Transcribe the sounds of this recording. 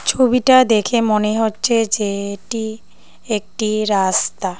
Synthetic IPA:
t͡ɕʰobiʈad̪ekʰemoneɦotːɕʰed͡ʑeʈi | ek̚ʈiɾast̪a

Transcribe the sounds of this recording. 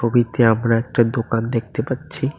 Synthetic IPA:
obʱit̪eəmɾaek̚ʈad̪okaːnd̪eːk̚ʰt̪epatːʃʰi

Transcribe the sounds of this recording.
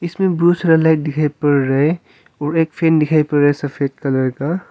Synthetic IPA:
ɪsmẽbɾuːsɾelaɪʈ̚d̪ɪkʰaepəɾːɐɦe | ɔːɾeːkpʰeːnd̪ɪkʰaːjpɐɾɾəɦesɐfʰeːd̚kɐləɾka

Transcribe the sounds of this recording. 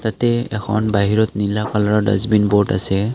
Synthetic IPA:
tatɛɛkʰɔ̰nbaɦiɹɔtnilakalɔɹɔda̰zbinboɹta̰sɛ

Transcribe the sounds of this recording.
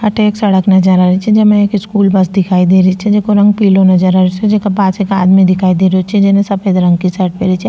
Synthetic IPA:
ɐʈʰeːksɐɽəknɐd͡ʒəɾaːɾit͡ʃʰid͡ʒɐmẽeːkɪskuːlbɐsd̪ɪkʰaːid̪eːɾit͡ʃʰid͡ʒekoɾɐ̃ŋɡ̚piːlonɐd͡ʒəɾaɾit͡ʃʰid͡ʒekapaːsekaːd̪mĩd̪ɪkʰaːid̪eːɾot͡ʃʰid͡ʒenesɐped̪ɾɐ̃ŋɡ̚kisɐɾʈ̚peːɾit͡ʃʰi

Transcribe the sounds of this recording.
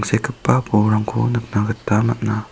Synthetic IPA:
ŋsekʰɯpːapoɾaŋkʰunɯk̚naɡɯtːamat̚na

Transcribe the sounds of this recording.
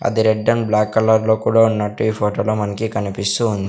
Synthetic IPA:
ɐ̰d̪iɾeɖːɐnblaːkːɐlɐɾlo̞ːkuːɽaːunːɐʈːuiːpʰoːʈoːloːmɐnɐkikɐnipist̪uːnd̪i

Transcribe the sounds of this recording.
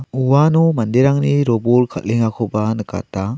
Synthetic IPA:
uwanɔmandeɾaŋniɾɔbolkʰa̰t̚liŋakʰɔbanɯka̰ta

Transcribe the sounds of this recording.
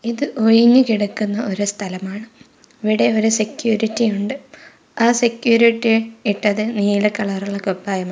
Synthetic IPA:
iðɨʔojiŋːɨkiɽukːunːɐʔo̞ɾust̪ʰɐlɐmaːɳɨ | ʋiɽeoɾusekjuːɾitːijuɳɖɨ | aːsekjuːɾiʈːiiʈːɐðeniːlɐkːɐɭɐruɭːɐkːopːaːjɐma

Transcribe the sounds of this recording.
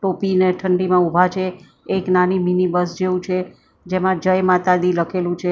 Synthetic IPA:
ʈopineʈʰəɳɖimãubʱat͡ʃʰeː | knaniminibəsd͡ʒeʋũt͡ʃʰe | d͡ʒemãd͡ʒəjmat̪ad̪iləkʰelũt͡ʃʰe

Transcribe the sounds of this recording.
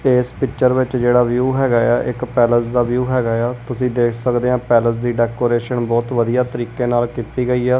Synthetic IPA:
eːspɪkt͡ʃəɾʋɪt͡ʃd͡ʒeːɽaːʋjuːɦɛːɡaːaːʔɪkpɛːləsd̪aːʋjuːɦɛːɡaːjaːt̪ʊsĩːd̪eːkʰsəkd̪eːãːpɛːləs̬d̪iːɖɛːkoːɾeːʃənbɔːt̪ʋəd̪ijaːt̪əɾiːkeːnaːlkiːt̪iːɡəiːaː

